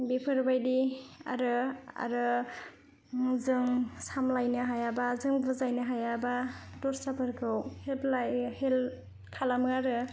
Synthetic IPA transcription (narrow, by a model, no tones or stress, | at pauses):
bipʰɯɾbajdia̰ɾɯa̰ɾɯ | zɯŋsamlajnɯɦajabazɯŋbɯzajnɯɦajabadɔɾsapʰɯɾɡʰɯwheblajhel | kʰalamɯaɾɯ